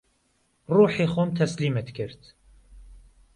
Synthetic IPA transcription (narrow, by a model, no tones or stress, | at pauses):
ruːħeːxoːmt̪ʰɛsliːmɛt̪kʰɨɾt̪